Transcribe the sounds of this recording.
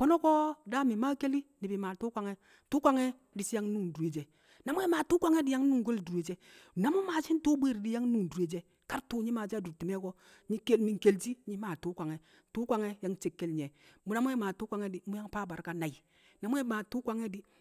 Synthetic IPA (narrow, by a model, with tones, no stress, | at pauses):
kɔ˦no˦kɔ˦da˦mi˨ma˦ke˦li˦ni˨bi˨ma˨tu˦kʷa˨ŋɛ˦˨ | tu˦kʷa˦ŋɛ˦ | di˨si˦ja˦ŋ˦nu˦˨n˨du˨e˨d͡ʒe˨ | na˨mu˦ɛ˦ma˨tu˦kʷa˦ŋe˦di˦ja˦ŋ˦nu˦ŋ˨ɡo˦ldu˨ɾe˨d͡ʒe˦˨na˨˦mu˦ma˨si˦n˦tu˦bʷe˦˨ɾdi˦ja˦ŋ˦nu˦˨n˨du˨e˨d͡ʒe˦ | ka˦ɾtu˦ɲi˦ma˨d͡ʒa˦du˨ti˨mɛ˦ɡɔ˦ | ɲi˦ke˦lmi˨ŋ˨ke˨ld͡ʒi˦ɲi˦maː˨tu˨˦kʷa˨ŋɛ˨ | tu˦kʷa˨ŋɛ˦ja˨˦ŋ˦t͡ʃe˨kːe˦lɲɛ˨mu˦na˦mu˦ɛ˦ma˨tu˦kʷa˨ŋɛ˦di˨mu˦ja˦ŋpa˦˨ba˨ɾka˦na˨ji˨ | na˨mu˦ɛ˦maː˨tu˦kʷa˦ŋɛ˦di˦